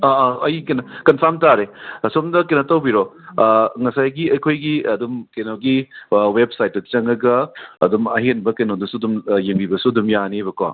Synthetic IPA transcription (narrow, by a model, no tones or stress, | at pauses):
aɐjkenɐkɐnpʰamtaɾesomdɐkenɐtɐwbiɾo | ŋɐsajɡiɐjkʰojɡiɐdumkenoɡiweb̚sajtːɐt͡ʃɐŋɐɡɐɐ̰dumɐɦenbɐkɐnodɐsuɐdumjeŋbibɐsuɐdumjanibɐkwa̰